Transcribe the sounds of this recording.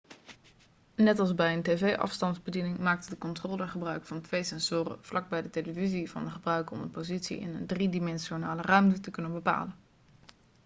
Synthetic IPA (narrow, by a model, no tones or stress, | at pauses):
nɛtɑlˠzbɛjəntevejʔɑ̰fstɑndzbədinɪŋmaːk̚tdəkɔntroːləχəbrœɥkfɑntʋejsɛnz̥ʊːrə̰v̥lɑɡ̚bɛjdəteləvizivɑ̰ndəχəbrœɥkɔ̰mdəpowzitsḭɪ̰nə̰ndridimɛnʃonaːlərœɥmtətəkɵnənbəpa̰ːlən